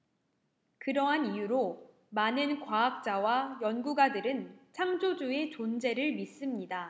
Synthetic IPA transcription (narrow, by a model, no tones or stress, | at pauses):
kɯɾʌɦanijuɾo | manɯnkwaak̚t͡ɕ͈awajʌnɡuɡadɯɾɯnt͡ɕʰaŋd͡ʑod͡ʑue̞t͡ɕond͡ʑe̞ɾɯɭmis͈ɯmɲida